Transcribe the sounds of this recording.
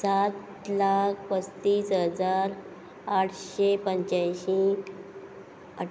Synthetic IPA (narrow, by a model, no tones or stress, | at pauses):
sat̪ | lakʰʋəst̪iːsɦəd͡zaɾ | aʈʰɕepəɲt͡ɕajɕi | ə